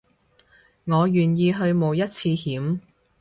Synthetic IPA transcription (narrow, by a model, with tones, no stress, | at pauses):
ŋɔː˨˧jyː˨njiː˧ɦɵ˧ɥmo˨˧wjɐ˥t̚t͡sʰiː˧hiː˨˥m